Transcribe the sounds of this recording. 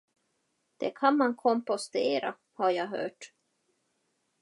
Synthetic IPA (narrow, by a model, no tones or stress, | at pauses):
d̪̥ɛkʰanmankʰɔmpɔst̪eːɾa̰ | haɾjɑːɦœ̰ːʈ